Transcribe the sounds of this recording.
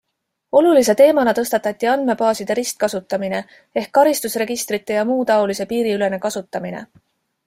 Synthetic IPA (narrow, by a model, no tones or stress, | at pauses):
o̞lulis̬e̞t̪e̞ːmɑnɑt̪ɤ̞st̪ɑt̪ːˑɑt̪ʲːˑiɑnd̪̥me̞pɑːsid̪̥e̞ɾist̪̚kɑsut̪ːˑɑmine̞ | e̞hkːɑɾist̪usre̞ɡ̥ist̪ɾit̪ːˑe̞jɑmuːt̪ɑo̞lise̞piːɾiyle̞ne̞kɑsut̪ːˑɑminḛ